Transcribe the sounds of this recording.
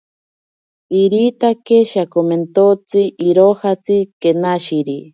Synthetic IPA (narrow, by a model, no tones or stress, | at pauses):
iɾit̪akeʃakoment̪ot͡siʔiɾohat͡sɨkenaʃiɾi